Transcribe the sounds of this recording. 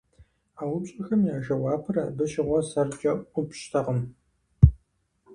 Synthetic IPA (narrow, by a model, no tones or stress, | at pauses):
aːwʊpɕʼɐxɐmjaːʒɐwɑːpʰɨrɐbɨʃɪʁʷɔsɐrd͡ʒʼɐʔʷʊpɕtʰɐʁəm